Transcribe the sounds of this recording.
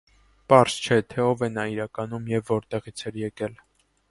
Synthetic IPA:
pɑɾst͡ʃʰɛt̪ʰɛɔvɛnɑiɾɑkɑnumjɛvːɔɾt̪ɛʁit͡sʰɛɾjɛkɛl

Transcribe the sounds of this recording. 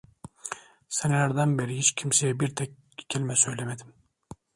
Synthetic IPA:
senelʲæɾd̪ænbeɾiɦit͡ʃcʰimsejɛbiɾt̪ʰɛc̚ | cʰelʲimɛsø̞jlʲemed̪im

